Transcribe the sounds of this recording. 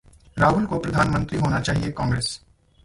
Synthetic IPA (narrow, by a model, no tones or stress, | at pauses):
ɾaːɡʊnkopɾɐd̪ʱaːnmə̃nt̪ɾiɦoːnat͡ʃaːɦiekɔ̃ːŋɡɾeːs